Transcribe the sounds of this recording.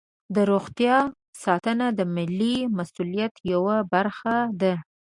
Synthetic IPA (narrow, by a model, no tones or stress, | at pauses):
d̪əɾoɣt̪jɑ | sɑt̪ənad̪əmɪlːimasulijat̪jawabaɾxad̪a